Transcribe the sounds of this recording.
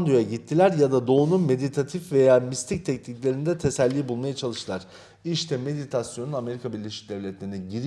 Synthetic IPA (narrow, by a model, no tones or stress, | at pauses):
nd̪ɾjo̞jaɟit̪ʰːilʲæɾjad̪ad̪o̞ununme̞d̪it̪ʰat̪ʰifve̞jaːmist̪ʰic̚t̪ʰɛcniclʲe̞ɾind̪ɛt̪ʰe̞sælʲːiːbulˠmajat͡ʃʰalˠɯʃt̪ɯlˠaɾ̥ | iʃt̪ʰɛme̞d̪it̪ʰasjo̞nuname̞ɾikʰabiɾlʲeʃi̥c̚d̪ɛvlʲɛt̪lʲeinɛɟiɾ